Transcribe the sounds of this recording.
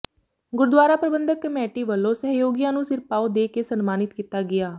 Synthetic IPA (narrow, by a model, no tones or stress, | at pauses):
ɡʊɾd̪waːɾaːpɾəbənd̪əkːəmɛːʈiːʋəlːõːsəɦjoːɡijãːnũːsɪɾpaːod̪eːkeːsənmaːnɪt̪kiːt̪aːɡɪjaː